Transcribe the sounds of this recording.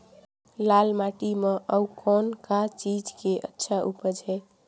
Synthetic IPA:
lalmaʈimeʔəukʰɔnkat͡ʃid͡ʒkeʔə̰tːʃʰaʔupəd͡ʒɛ

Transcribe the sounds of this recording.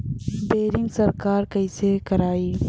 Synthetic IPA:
beːɾɪ̃ŋɡsəɾkaːɾkəɪsekəɾaːiː

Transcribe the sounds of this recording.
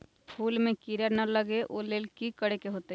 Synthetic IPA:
pʰuːlmẽkiɾəɾnɐləɡeʔoːleːlkikəɽekeɦoːt̪e

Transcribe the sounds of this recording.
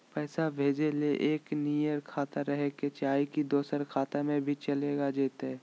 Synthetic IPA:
pɛːsabʱeːd͡ʒeleʔeːknijəɾkʰaːt̪aɾəɦeket͡ʃaːikid̪oːsəɾkʰaːt̪emẽbʱit͡ʃɐleːɡad͡ʒeːt̪ɛː

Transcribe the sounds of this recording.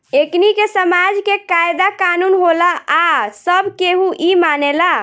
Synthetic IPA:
eknikesəmad͡ʒkekajd̪akanunɦolaasəbʱkeɦuʔimanela

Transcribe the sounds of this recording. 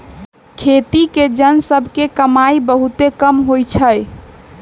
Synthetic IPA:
kʰet̪iked͡ʒənsəbʱkekəmaibəɦut̪ekəmɦojt͡ʃʰəj

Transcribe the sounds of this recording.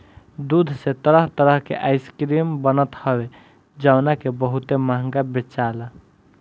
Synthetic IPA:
d̪ud̪ʱset̪əɾəɦt̪əɾəɦkḛʔaɪskɾimbənət̪həbe | d͡ʒaʊnakebəɦut̪emaɦŋɡabet͡ʃala

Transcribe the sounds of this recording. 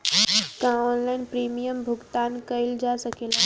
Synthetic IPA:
kãɔːnlaɪnpɾiːmijəmbʱʊɡt̪aːnkəɪld͡ʒasəkela

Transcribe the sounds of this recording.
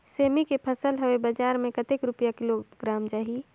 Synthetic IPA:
seːmikepʰəsəlɦəwebəd͡ʒaːɾmẽkət̪ekɾʊpjakɪloɡ̥ɾaːmd͡ʒaːɦi

